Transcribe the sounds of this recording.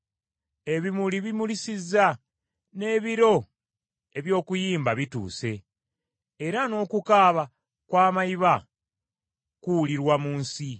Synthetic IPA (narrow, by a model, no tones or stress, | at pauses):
e̞βimuliβimulisizːa | ne̞ːβiɾo̞ | e̞βjo̞ːkujiːmbaβitṵːse̞ː | ɾano̞ːkukaːβa | kwaːmajiβa | kuuliɾwamuːnsi